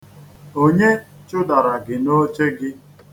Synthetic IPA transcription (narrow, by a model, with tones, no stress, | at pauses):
o˦ɲe˦t͡ʃʊ˦da˨ɾa˨ɡɪ˨no˦t͡ʃe˦ɡɪ˦